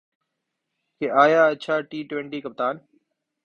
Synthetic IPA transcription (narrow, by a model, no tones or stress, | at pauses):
keːʔaːjaːətːt͡ʃʰaːʈiːʈʋẽɳʈiːkəp̚t̪aːn